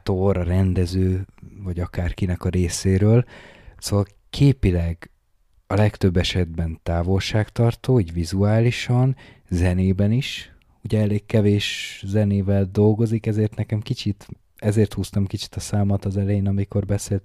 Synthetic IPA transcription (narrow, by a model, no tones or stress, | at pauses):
t̪oɾɒɾɛnd̪ɛzøːvɒɟɒkaːrkinɛkɒɾeːseːɾøːl | soːvɒl | kʰeːpilɛɡ | ɒlɛkt̪ø̞bːɛʃɛd̪̚bɛnt̪aːvo̞lʃaːkt̪ɒrt̪oːiːɟvizuaːliʃɒn | zɛneːbɛniʃ | uɟɛɛleːkkːɛveːʃzɛneːvɛld̪o̞lɡo̞zikɛzeːrt̪nɛkɛmkit͡ʃit̪ | ɛzeːrt̪huːst̪ɒmkit͡ʃi̥t̪ɒsaːmɒt̪ɒzɛlɛjeːnɒmiko̞rbɛseːlt̪